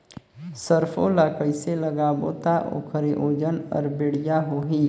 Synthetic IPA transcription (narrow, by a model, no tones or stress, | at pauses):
səɾpʰolakəɪseləɡabot̪aʔo̰ːkʰəɾeʔoːd͡ʒənɔ̰ːɾbeɽ̤ijaɦoɦiː